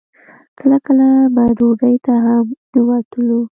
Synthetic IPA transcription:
kʰəlakəlabaɖoɖəjt̪aɦamnəwat̪əlu

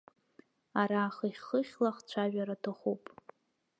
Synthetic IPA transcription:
aɾaːχiχʲχəχʲlaχt͡ɕʷʰaʒᶣaɾatʰaχupʼ

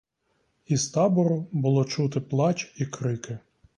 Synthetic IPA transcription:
ist̪ɑbɔɾʊbʊlˠɔt͡ʃut̪ɪplˠɑt͡ʃʲikɾɪkɪ

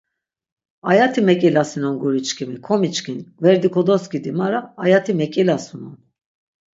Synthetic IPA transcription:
ajat̪ʰimɛkʼilasinɔnɡuɾit͡ʃkʰimikʰɔmit͡ʃkinvɛɾd̪ikʰɔd̪ɔskid̪imaɾaːjat̪ʰimɛkʼilasunɔn

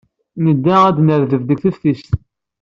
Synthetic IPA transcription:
nəd̪ːææd̪nəɾðəvðəkθəfθis

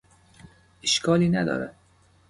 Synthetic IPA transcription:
ʔeʃkʰɒːliːnæd̪ɒ̰ːɾæ̰

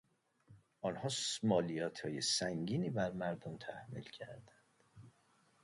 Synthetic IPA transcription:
ʔɒːnhɒːsmɒːlijɒːt̪ʰhɒːjesæŋɟiːniːbæɾmæɾd̪omt̪ʰæhmḭːlcʰæ̰ɾd̪ænd̪̥

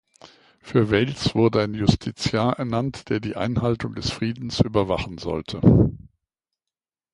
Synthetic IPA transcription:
fyːɐvɛlsv̥ʊɐdəaɪnjʊstʰit͡sjaːɐʔɛɐnantd̥eːɐdiːʔa̰ɪnɦaltʊŋdɛsfʁ̥iːdn̩sʔyːbɐvaχn̩zɔ̰ltʰə

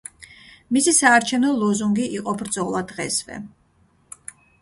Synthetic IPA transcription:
misisaːɾt͡ʃʰɛvnɔlˠɔzuŋɡiʔiqʼɔbɾd̪zɔlˠad̪ʁɛsvɛ̰

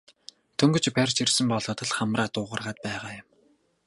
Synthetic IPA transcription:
t̪ʰɵŋɡɵ̆t͡ɕpærʲt͡ɕirsɘ̆mpɔɮɞ̆ːt̪ə̆ɮχamraːt̪ʊːʁə̆rʁaːt̪̚pæːʁaːjʊ̆m

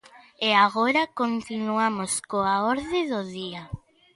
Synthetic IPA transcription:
eaɣoɾakont̪inuamoskoaoɾðɪðoðia

